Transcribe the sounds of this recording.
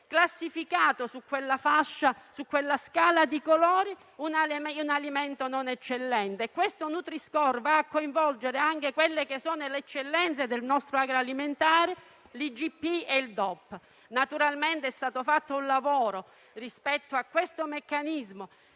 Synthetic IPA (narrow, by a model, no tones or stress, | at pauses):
klasːifikaːt̪osukːwelːafaʃːasukːwelːaskaːlad̪ikolɔːɾi | unaunaliment̪ononɛt͡ʃːelːɛnt̪eːkːwest̪onut̪ɾiskɔrvaːkːoiɱvɔld͡ʒeɾeaŋk̟ekwelːek̟esːoːnolɛt͡ʃːelːɛnt̪sed̪elnɔst̪ɾoaɡɾaaliment̪aːɾe | lid͡ʒipːieild̪ɔpː | nat̪uɾalment̪eɛst̪aːt̪ofat̪ːounlavɔːɾo | rispɛt̪ːoakːwest̪omekːanizmo